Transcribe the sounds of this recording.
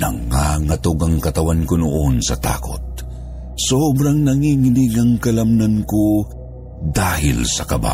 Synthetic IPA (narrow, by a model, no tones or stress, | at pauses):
nɐŋaŋɐt̪oɡɐŋkɐt̪ɐwankonoʔonsɐt̪a̰ːko̰t̪̚ | sobɾaŋnɐŋiŋiniɡɐŋkɐlamnanko | d̪aːhɪ̰lsɐkɐba̰